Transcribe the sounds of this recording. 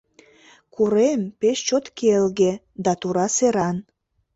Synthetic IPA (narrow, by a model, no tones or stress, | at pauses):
kuɾempeʃt͡ɕot̪kʰelɣe | d̪ɑt̪uɾɑseɾɑn